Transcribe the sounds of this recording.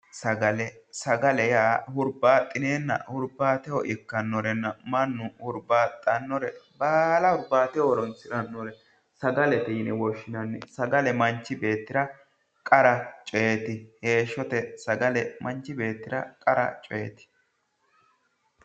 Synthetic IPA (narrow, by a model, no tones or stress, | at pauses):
sɐɡɐlɛsɐɡɐlɛjaːhʊɾbaːt̪ʼːɪneːnːɐ̰hʊɾbaːt̪ɛɔʔɪkːɐnːɔɾɛnːɐmɐnːʊhʊɾbaːt̪ʼːɐnːɔɾɛbaːlɐhʊɾbaːt̪ɛɔɾɔnsɪɾɐnːɔɾɛ | sɐɡɐlɛt̪ɛɪnɛwɔʃːɪnɐnːɛsɐɡɐlɛmɐnt͡ʃːɪbe̞ːt̪ːɪɾɐ | kʼɐɾɐt͡ʃʼeːt̪ɪhe̞ːʃːɔt̪ɛsɐɡɐlɛmɐnt͡ʃːɪbe̞ːt̪ːɪɾɐkʼɐɾɐ̰t͡ʃʼeːt̪ɪ̥